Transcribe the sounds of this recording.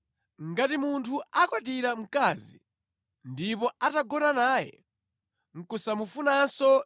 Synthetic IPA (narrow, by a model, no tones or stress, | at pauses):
ŋɡatimuntʰuakwaɗiɾam̩kazi | ndipɔataɡɔnanaːjɛ̰ | ŋ̩kusamufunansɔ